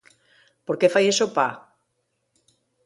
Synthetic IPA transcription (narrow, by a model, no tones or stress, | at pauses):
poɾkefajesopa